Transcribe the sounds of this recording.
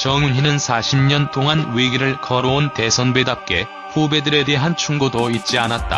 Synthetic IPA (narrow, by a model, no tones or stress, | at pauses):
t͡ɕʌŋunɦinɯnsʰaɕʰimɲʌntʰoŋanwiɡiɾɯɭkʌɾoonte̞sʰʌnbedap̚k͈e̞ | ɸube̞dɯɾe̞de̞ɦant͡ɕʰuŋɡodoit̚t͡ɕ͈ianat̚t͈a̰